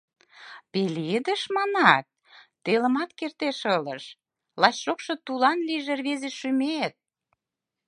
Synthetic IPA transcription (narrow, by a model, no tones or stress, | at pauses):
peled̪əʃmɑnɑt̪̚ː | elə̆mɑt̪kert̪eʃɤlə̰ʃ | lɑɕʃokʃŏt̪ulɑnliʒerβezeʃymet̪̚